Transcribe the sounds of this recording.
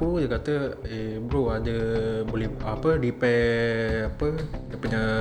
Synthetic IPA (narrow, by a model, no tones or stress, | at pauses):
ujəkat̪əebɾoadəbolɛhapədipɛapədəpuɲa